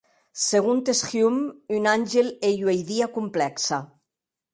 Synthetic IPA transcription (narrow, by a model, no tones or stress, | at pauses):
seɣunt̪esxjumynanʲʒeleʎwejðiakumplɛksa